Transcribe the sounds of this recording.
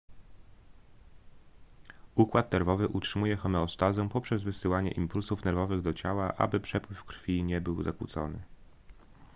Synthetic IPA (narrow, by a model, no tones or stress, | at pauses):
ukwat̪nɛɾvɔvɘʔutʂɘmujɛxɔmɛɔst̪azɛ̃pɔpʂɛzvɘsɘwaɲɛ̰ʔimpulsufnɛɾvɔvɘɣd̪ɔt͡ɕawaʔa̰bɘpʂɛpwɘfkɾfʲiɲɛbɘwzakwṵt̪sɔ̰nɘ